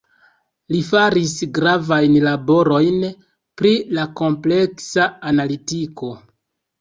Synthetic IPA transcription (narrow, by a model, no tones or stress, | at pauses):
lifaɾisɡɾavajnlabo̞ɾo̞jn | pɾilako̞mple̞ksaːnalitiko̞